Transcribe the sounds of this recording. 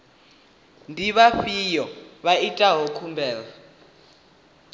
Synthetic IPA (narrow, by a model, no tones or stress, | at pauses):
ndʱiβaɸijɔβaitʼaɦɔkʰumbʱɛːla